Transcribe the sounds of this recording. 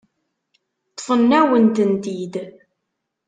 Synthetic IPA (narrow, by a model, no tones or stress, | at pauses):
t̪ːˤfənːæwənt̪ənt̪id̪